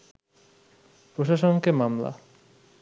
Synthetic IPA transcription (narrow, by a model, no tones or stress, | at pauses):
pɾoʃaʃonkemamla̰